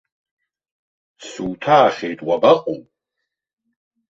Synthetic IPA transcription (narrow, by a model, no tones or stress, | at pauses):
suːtʰaːχʲejtʼwabaqʼṵwʼ